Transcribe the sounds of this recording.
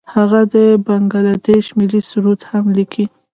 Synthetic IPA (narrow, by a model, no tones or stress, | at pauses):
haɣad̪əbaŋɡalad̪eʃmɪlisuɾut̪hamlikʰi